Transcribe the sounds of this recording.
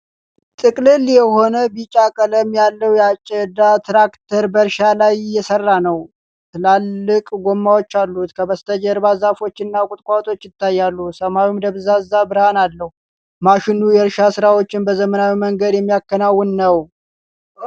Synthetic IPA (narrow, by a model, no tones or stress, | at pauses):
t̪ʼɨkʼlɨljɛho̞nəbit͡ʃʼakʼələmjalːəwjɛat͡ʃʼːɛd̪at̪ʰɾakt̪ʰəɾbəɾʃalajjɛsərːanəw | t̪ʰɨlalːɨkʼɡomːawot͡ʃːalːut̪kʰəbəst̪ʰəd͡ʒəɾbazafo̞t͡ʃːɪnːakʼʊt̪ʼkʼat̪ʼo̞t͡ʃːjɪt̪ʰːajːalːusəmawumd̪əβzazːabɨɾhanalːəhu | maʃɪnujɛɾʃasɨɾawo̞t͡ʃːɪnbəzəmənawiməŋɡəd̪jɛmːijakːənawːɨnnəw